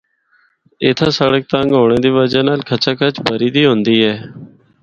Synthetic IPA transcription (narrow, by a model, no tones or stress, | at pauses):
ɪt̪ʰãːsəɽək̚t̪ãːŋɡoːɳẽːd̪iːʋəd͡ʒaːnaːlkʰət͡ʃaːkʰət͡ʃbəɾiːd̪iːɦʊ̃nd̪iːɦɛː